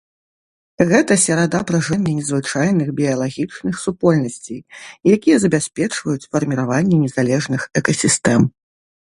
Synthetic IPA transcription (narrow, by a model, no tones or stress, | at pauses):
ɣɛt̪ɐsʲɐɾad̪apɾɐʐɛnʲːɛnʲɛzvɨt͡ʂajnɨɣbʲijɐlˠaɣʲit͡ʂnɨxsupɔlʲnɐsʲt͡sʲejjakʲijɛzɐbʲasʲpʲɛt͡ʂvɐjut͡sʲfɐrmʲiɾavanʲːɛnʲɛzalʲɛʐnɨxɛkɐsʲist̪ɛm